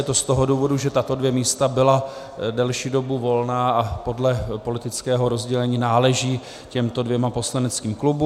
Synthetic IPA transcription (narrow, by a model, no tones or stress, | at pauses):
ɛt̪o̞st̪o̞ɦoduːvo̞duʒɛt̪at̪o̞dvjɛmiːst̪abɪla | dɛlʃiːdo̞buvo̞lnaːʔapo̞dlɛpo̞lɪt̪ɪt͡skɛːɦo̞ɾo̞zɟɛlɛɲiːnaːlɛʒiː | cɛmt̪o̞dvjɛmapo̞slanɛt͡skiːmklubu